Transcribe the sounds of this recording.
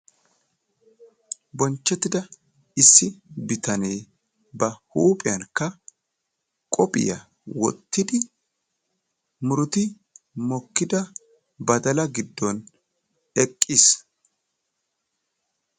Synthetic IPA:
bɔnt͡ʃːɛt̪ːɪd̪ɐ | ɪsːɪbɪt̪ɐne̞ː | bɐhuːpʼɪjɐnkːɐ | kʼɔpʼɪ̰jɐ | wɔ̰t̪ːɪd̪ɪ | mʊɾʊt̪ɪ | mɔkːɪd̪ɐ | bɐd̪ɐlɐɡɪd̪ːɔn | ɛkʼːis

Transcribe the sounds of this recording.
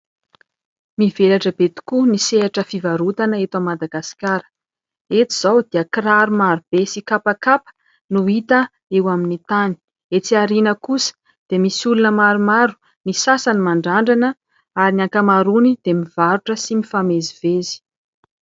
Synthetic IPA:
mivelaʈ͡ʂəbet̪u̥kuniseaʈ͡ʂəfivaɾut̪anəet̪amːad̪aɡasi̥kaɾ̥ | et͡s̪i̥z̥awd̪eəkraɾumaɾub̥esikapakapə̥ | nuit̪ə | ewaminit̪ani̥ | et͡siaɾinəkusə̥ | d̪̥emisulunəmaɾumaɾu̥ | nisasanimaɳɖ͡ʐaɳɖ͡ʐanə | aɾinaŋkamaɾunid̪̥emivaɾuʈ͡ʂəsimifamezivezi̥

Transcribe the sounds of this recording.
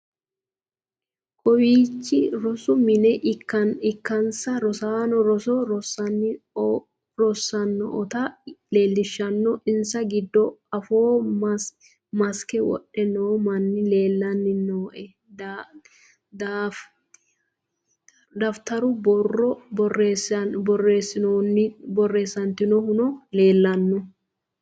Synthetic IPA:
kʼɔwiːt͡ʃːɪɾɔsʊmɪnɛʔɪkːɐɪkːɐnsɐɾɔsaːnɔɾɔsɔɾɔsɐn | ɾɔsːɐnːɔ̰ʔɔt̪ɐleːlːɪʃːɐnːɔʔɪnsɐɡɪd̪ːɔɐfoː | mɐskɛwɔ̰ʔɛnoːmɐnːɪleːlːɐnːɪnoːʔɛ | d | d̪af | d̪ɐft̪ɐɾʊbɔrɔɔreːsbɔrːe̞ːsːɪnɪbɔrːe̞ːsːɐnt̪ɪnɔhʊnɔle̞ːlːɐnːɔ

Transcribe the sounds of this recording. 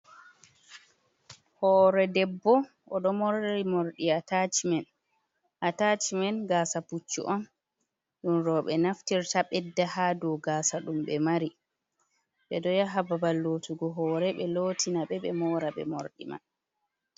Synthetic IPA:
hɔːɾɛdɛbːɔ | ʔɔɗɔmɔɾimoɾɗiatat͡ʃmɛn | ʔatat͡ʃimɛnɡaːsaput͡ʃːṵʔɔn | ɗunɾɔɓɛnaftiɾtaɓɛdːahadɔwɡaːsaɗumɓɛmaɾi | ɓɛdɔjaɦababalːoːtuɡɔɦɔːɾɛɓɛlotinaɓɛɓɛmɔːɾaɓɛ̰mo̰ɾɗḭma̰n

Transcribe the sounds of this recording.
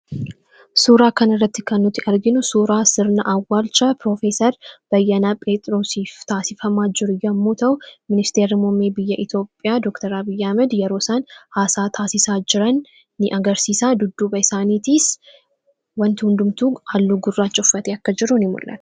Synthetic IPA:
suːɾaːkɐnɪrːɐt̪ːɪkɐnːʊt̪ːɪʔɐɾɡɪnʊsuːɾaːsɪɾnɐʔɐwːaːlt͡ʃɐpɾoːfeːsɐɾb̥ɐjːɐnaːpʼeːt̪ʼɾoːsiːft̪aːsɪfɐmaːd͡ʒɪɾʊjɐmːuːt̪ɐʔʊmɪnɪst̪e̞ːɾɪmɔːmeːbɪjːɐʔɪt̪jo̞ːpʼːɪjaːd̪ɔkt̪ɐɾɐbɪjːɐhɐmɛd̪jɛɾo̞ːsaːnhaːsaːt̪ʰaːsɪsaːd͡ʒɪɾɐnː | ɪʔɐɡɐɾsiːsaːd̪ʊd̪ːuːbɐɪsaːniːt̪ɪs | wɐnt̪ɪhʊnd̪ʊmt̪uːɐlːuɡʊrːaːt͡ʃːʼʊfːɐt̪eːɐkːɐd͡ʒɪɾːʊnɪmʊ̰lʔɐ̰t̪ɐ̥

